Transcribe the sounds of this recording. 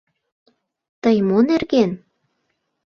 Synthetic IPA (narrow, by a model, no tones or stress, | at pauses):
t̪əjmonerɣen